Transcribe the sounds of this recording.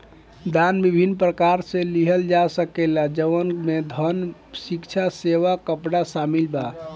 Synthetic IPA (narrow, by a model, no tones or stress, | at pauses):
d̪anbibʱinːpɾəkaɾsẽliɦəld͡ʒasəkelad͡ʒəʋənmed̪ʱənsikt͡ʃʰaseʋakəpɽasamilba